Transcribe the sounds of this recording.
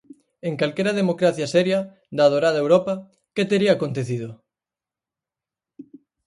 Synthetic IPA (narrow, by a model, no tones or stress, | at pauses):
eŋkalkeɾɐð̞emokɾaθjɐsɛɾjɐ | d̪að̞oɾaðɐewɾɔpɐ | ket̪eɾiaːkont̪eθiðʊ